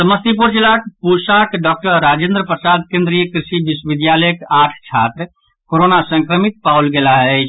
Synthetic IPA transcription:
səməst̪ipuɾt͡ʃelakpusaːkɖɔk̚ʈəɾɾad͡ʒẽnd̪ɾəpɾəsaːd̪̚kẽnd̪ɾijəkɾisibiswʋid̪jaləjəkaːʈʰt͡ʃʰaːt̪ɾ | koɾonasə̃ŋkɾəmit̪̚pawlɡelaɦɛ

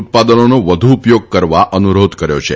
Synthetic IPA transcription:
t̪̚pad̪ənonoʋəd̪ʱuːpjoɡ̚kəɾʋaʔənuɾod̪kəɾjo̰t͡ʃʰe

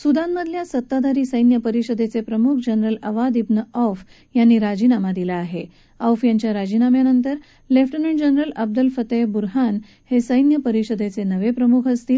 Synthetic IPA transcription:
sud̪anməd̪ʱljasət̪ːad̪aɾiːsəjnjəpəɾiɕəd̪et͡sepɾəmukʰd͡ʑənɾələʋad̪ibnəɔf | janːiːɾad͡ʑinamad̪ilaːɦe | awfjaɲt͡ɕjaɾad͡ʑinamjanənt̪əɾ | lefʈənəɳd͡ʑənɾələb̚d̪əlfət̪ebuɾɦan | hesəjnjəpəɾiɕəd̪et͡senəʋepɾəmukʰəst̪iːl

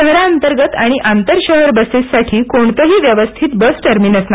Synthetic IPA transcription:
əɦɾaənt̪əɾɡət̪aɽ̃iʔant̪əɾɕəɦəɾbəsessaʈʰiːkoɳt̪əɦiːʋjəʋəst̪ʰit̪̚bəsʈəɾmiːnəsna

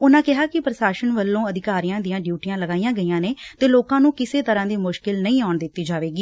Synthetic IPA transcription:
ʊnãːkɪɦaːkɪpɾəʃaːʃənʋəlːõːəd̪ɪkaːɾijãːd̪ɪjãːɖjuːʈijãːləɡaːijãːɡəijãːneːt̪eːloːkãːnũːkɪseːt̪əɾãːd̪iːmʊʃkɪlnəĩːaːɳd̪ɪt̪ːiːd͡ʒaːʋeːɡiː

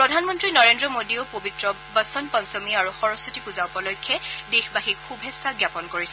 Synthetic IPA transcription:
pɹɔdʱanmɔntɹinɔɹendɹɔmodiopobitɹɔ | bɔsɔnpɔnsɔmiaɹuxɔɹɔsutipuzaʊpɔlɔjkʰːɛdexbaɦikkʰubʱɛsaɡjapɔnkoɹisɛ

